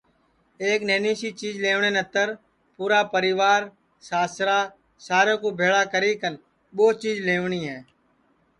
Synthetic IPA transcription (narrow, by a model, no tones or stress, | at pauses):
eːkneːniːsiːt͡ʃiːzleːʋɳeːnət̪ːəɾ | puːɾaːpəɾɪːʋaːɾ | saːsɾaː | saːɾẽːkoːbʱeːɭaːkəɾiːkən | ɓoːt͡ʃiːzleːʋɳiːɦɛː